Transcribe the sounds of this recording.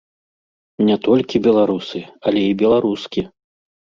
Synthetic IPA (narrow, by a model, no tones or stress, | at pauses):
nʲɛt̪ɔlʲkʲibʲɛlˠaɾusɨɐlʲɛibʲɛlˠaɾuskʲi